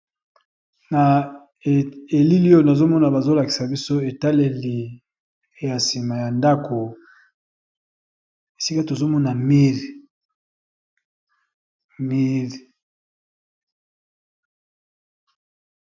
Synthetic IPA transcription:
na˨ | e˨li˦li˦o˦˨na˨zo˦mɔ˦na˨ba˨zo˦la˨ki̥˨sa˨bi˦so˦e˨ta˦le˨li˨˦ | ja˨si˨ma˨ja˨nda˦kʰo˨ | e˨si˦ka˦to˨zo˦mɔ˦na˨mi˦l | mi˦l

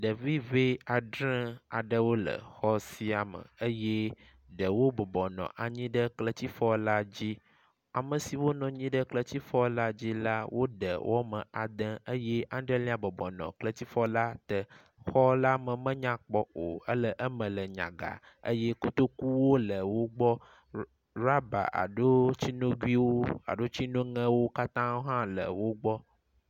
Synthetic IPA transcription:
ɖə˨vi˦ve˦a˨ɖɾɛ̃˦a̰˨ɖə˦wo˦lə̰˨xɔ˦si˦a˨mə̰̃˨ə˦je˦ | ɖə˨wo˦bɔ˨bɔ˨nɔ̰̃˨ʔa˨ɲĩ˦ɖə˦klə˨t̪i˦fɔ˦la˦d͡ʑi˦ | a˨mə̃˨si˨wo˦nɔ̃˨ɲĩ˦ɖə˦klə˨t̪i˦fɔ˦la˦d͡ʑi˦la˦wʔo˦ɖə̰˨wʔɔ˦mə̰̃˨a˨d̪ə̃˦ə˦je˦ʔã˦ɖə˦lĩ˦a˨bɔ˨bɔ˨nɔ̰̃˨klə˦t̪i˦fɔ˦la˦t̪ə˨ | xɔ˦la˦mə˨mə̃˦ɲã˦k͡pɔ˦o˨ə˦lə˦ʔə˦mə̃˨lə˨ɲã̰˨ɡa̰˨ | ə̰˦jɛ˦ko˦t̪o˦ku˦wo˦lə˨wo˦ɡ͡bɔ˦ | ɾa˦ba̰˨ʔa̰˨ɖo˦t͡ɕi˦nõ˦ɡwi˦wo˦a̰˨ɖo˦t͡ɕi˦nõ˦ŋə̃˦wo˦ka˦t̪ã˦wo˦ɦã˦lə̰˨wo˦ɡ͡bɔ˦

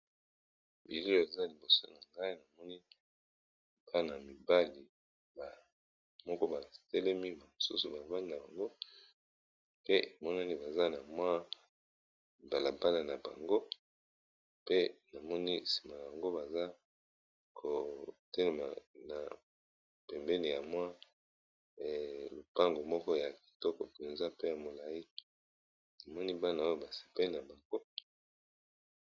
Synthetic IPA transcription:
bi˨le˦o˨e˨za˦li˨bo˨so˦na˨ŋɡa˦i˦na˨mɔ˦ni˦ | ba˦˨na˨mi˨ba˦li˨ | ba˨ | mɔ˦kɔ˦ba˨tɛ˦lɛ˦mi˦ba˨mo˨sṵ˦su˨ba˨va˦ni˨na˨ba˨ŋɡo˦ | pe˦ʔe˨mɔ˦na˦ni˦ba˨za˦na˨mwa˦˨ | ba˨la˨ba˦na˨na˨ba̰˨ŋɡo˦ | pe˦na˨mɔ˦ni˦si̥˨ma˨ja˨ba˨ŋɡo˦ba˨za˦ | kʰo˨tɛ˦le˨ma̰˨na̰˨ | pɛ˨mbɛ˦ni˨ja˨mwa˦˨ | lo˨pa˦ŋɡo˨mɔ˦kɔ˦ja˨ki̥˨tɔ˦kɔ˨pe˨nza˦pe˦ja˨mo˨la˨ji˦ | na˨mɔ˦ni˦ba˦na˨o˦jo˦ba˨se̥˨pe˦li˦na˨ba˨ŋɡo˦

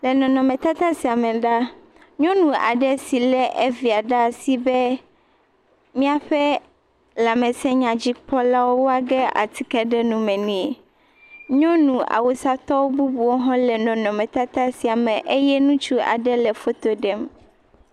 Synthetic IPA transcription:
lɛ˨nɔ̃˨nɔ̃˨mɛ̃˨t̪a˦t̪a˦si˨a˨mɛ˨ɖa˦ | ɲɔ̃˦nũ˨a̰˨ɖɛ˦si˨lɛ˦ʔe˦vi˨a˨ɖa˦si˨bɛ˦ | mĩ˦a˦ɸɛ˦ | la˨mɛ˨sɛ˦ɲã˨d͡ʑi˦k͡pɔ˦la˦wo˦wo˦a˨ɡɛ˦a̰˨t̪ʰi˦kɛ˦ɖɛ˦nũ˦mɛ̃˨nĩ˦˨ | ɲɔ̃˦nũ˨ʔa̰˨wo˨sa˦t̪ɔ˦wo˦bu˦bu˨wo˦ɦɔ̃˦lɛ˨nɔ̃˨nɔ̃˨mɛ̃˨t̪a˦t̪a˦si˨a˨mɛ̃˨ʔe˦jɛ˦nũ˦t͡ʃu˦a̰˨ɖɛ˦lɛ˨fo˦t̪o˦ɖɛ˦m

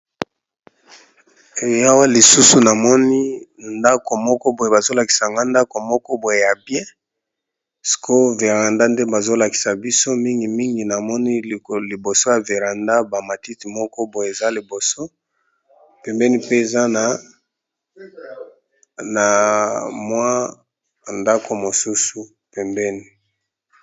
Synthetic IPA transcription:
ja˦wa˦li˨su˦su˨na˨mɔ˦ni˦nda˦ko˨mɔ˦kɔ˦bo˨je˨ba˨zo˦la˨ki˨sa˨ŋɡa˦nda˦ko˨mɔ˦kɔ˦bo˨je˨ja˨bjɛ̃˦ | si̥˨kʰo˦ve˨ʁa˨nda˦nde˦ba˨zo˦la˨ki̥˨sa˨bi˦so˦mi˦ŋɡi˨mi˦ŋɡi˨na˨mɔ˦ni˦˨li˨bo˨so˦ja˨ve˨ʁa˨nda˦ba˨ma˨ti˦ti˨mɔ˦kɔ˦bo˨je˨za˦li˨bo˨so˦ | pɛ˨mbɛ˦ni˦pe˦e˨za˦na˨ | na˨mwa˦˨ | nda˦kʰo˨mo˨su˦su˨ | pɛ˨mbɛ˦ni˨

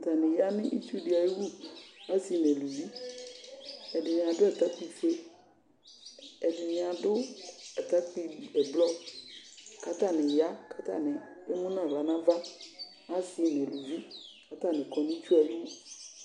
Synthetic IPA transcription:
ta˨nɪ̃˨ja˦nɪ̃˦ʔi˦t͡ʃu˦dɪ˨˦a˨ji˦wu˦a˦si˨nɛ̃˨lu˨vi˦ | ɛ˨dɪ˨nɪ̃˨ã˨dʊ˦ɛ˨t̪a˦k͡pi˨fe˦ | ɛ˨dɪ˨nɪ̃˨a˨dʊ˦ɛ˨t̪a˦k͡pi˦ɛ˨blɔ˦ | ka˦t̪a˦˨nɪ̃˨ja˦ka˦t̪a̰˦˨nɪ̃˨e˦mũ˦nã˦˨bla˨nã˦va˦ | a˦sɪ˦nɛ̃˨lu˨vi˦ | ka˦t̪a˦˨nɪ̃˨kɔ˨nɪ̃˦i˦t͡ʃu˦a˨ji˦wu˦

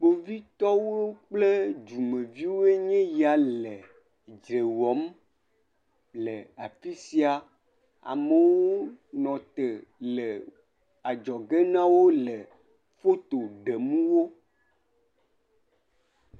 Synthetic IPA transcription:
k͡po˨vi˦t̪ɔ˦wo˦k͡ple˦d͡ʒu˨mẽ˨vi˦wo˦e˦ɲɛ̃˦ja˨lɛ˨ | d͡ʒɾe˨wɔ˨˦m | lɛ˨a˨fi˦si˦a˨ | a̰˨me˦wo˦nɔ̃˨t̪e˨lɛ˨ | a˨d͡ʒɔ˨ɡe˦nã˦wo˦lɛ˨ | fo˦t̪o˨ɖe˨mũ˦wo˦

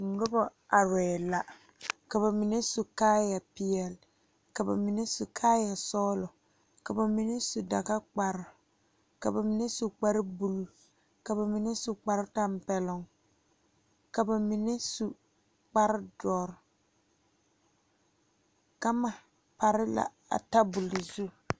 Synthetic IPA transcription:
ŋ̩˨ɡɔ˦bɔ˦a˨ɾɛː˨la˨ | ka˨ba˨mi˨ne˦su˨kaː˦ja˨pɪ˨jɛ˨l | ka˨ba̰˨mi˨ne˦su˨kʰaː˦ja˨sɔː˦lʊ˨ | ka˨ba˨mi˨ne˦su˨da̰˨ka˦k͡pa˨ɾɪ˨ | ka˨ba˨mi˨ne˦su˨k͡pa˦ɾɪ˦bu˨lu˦ | ka˨ba˨mi˨ne˦su˨k͡pa˨ɾɪ˦ta˦mpɛ˨lʊ˨ŋ | ka˨ba˨mi˨ne˦su˨ | k͡pa˦ɾɪ˦dɔ˨ɾ | ka˦ma˨ | pa˨ɾɪ˦la̰˨ | a̰˨ta˦bʊ˨lɪ˨zu˦

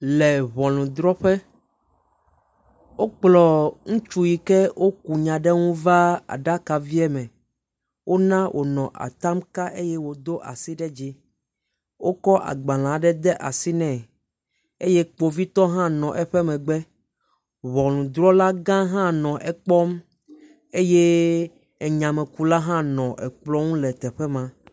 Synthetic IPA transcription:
lɛ˨βɔ̃˨lũ˨d̪ɾɔ˦ɸɛ˦ | wo˦k͡plɔ˨ŋũ˦t͡ʃu˦ji˨kɛ˦wʔo˦ku˨ɲã˨ɖɛ˦ŋũ˦va˦a̰˨ɖa˦ka˨vi˦ɛ˦mɛ̃˨ | wʔo˦nã˦wʔo̰˨nɔ̃˨ʔa̰˨t̪a˦mka˦ʔe˦jɛ˦wo˨d̪o˦ʔa̰˨si˦ɖɛ˦d͡ʒi˦ | wo˦kɔ˦ʔa̰˨ɡ͡bã˨l̃ã˨ɖɛ˦d̪ɛ˦ʔa˨si˦nɛ̃˨ | e˦je˦k͡po˨vi˦t̪ɔ˦ɦã˦nɔ̃˨ʔɛ˨ɸɛ˦mɛ̃˨ɡ͡bɛ˦ | βɔ˨lũ˨d̪ɾɔ˦la˦ɡã˦ɦã˦nɔ̃˨ʔɛ˨k͡pɔ˦m | e˦je˦ | ɛ˨ɲã˨mɛ̃˨ku˦la˦ɦã˦nɔ̃˨ʔɛ˨k͡plɔ˦ŋũ˦lɛ˨t̪ɛ˨ɸɛ˦mã˨

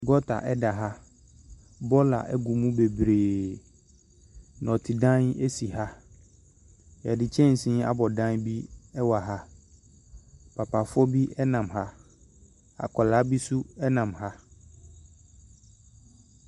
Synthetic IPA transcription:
ɡɔ˦tʰa̰˨ʔɛ˦da˨ɦa˦ | bɔ˦la̰˨ʔɛ˦ɡu˨mũ˦be˨bɾeː˨ | nɔ̃˨tʰɪ˨dã˦ne˦si˨ɦa˦ | jɛ˨dɪ˨t͡ɕʰɛ̃˦n̩˨sĩ˦a˦bɔ˨dã˦nbi˦ɛ˦wa˨ɦa˦ | pʰa˨pʰa˨fɔ˦bi˦ʔɛ˦nã˨mɦa˦ | a̰˨kʰɔ˨laː˨˦bi˦su˦ɛ˦nã˨mɦa˦

